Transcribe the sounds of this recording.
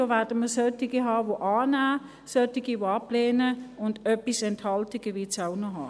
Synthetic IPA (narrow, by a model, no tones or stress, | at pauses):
doʋɛɐd̥əməsœtɪɡ̥iɦɑːʋoʔɑːnaː | sœtɪɡiʋoɑplɛːnəʊndœpisɛnthɑltɪɡ̥əʋiːt͡saʊnoɦɑː